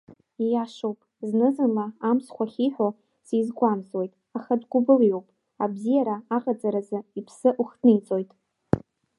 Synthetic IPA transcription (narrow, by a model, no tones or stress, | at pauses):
jaʂowpʼznɨzɨnlaamskʷʰaχʲiħʷᶣo | sijzɡʷamzwejtʼ | aχadɡʷʊbɨljo̞wpʼ | abzijaɾaaqʼat͡sʼaɾazɨipʰsɨʔuχdnɨit͡sʼo̞jtʼ